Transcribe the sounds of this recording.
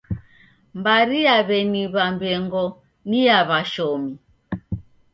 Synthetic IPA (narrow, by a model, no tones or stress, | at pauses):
mbaɾijaβɛniβambɛŋɡɔ | nijaβaʃɔmi